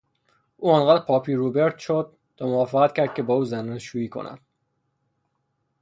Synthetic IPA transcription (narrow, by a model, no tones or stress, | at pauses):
ʔuːɒnɢæːd̪ɾpʰɒːpʰiːɾubeɾt̪ʃod̪̚ːɒmoɒːfeʁæt̪cʰæɾd̪̥̚cʰe̞bɒːuːzæneʃuːiːkʰo̰næ̰d̪̥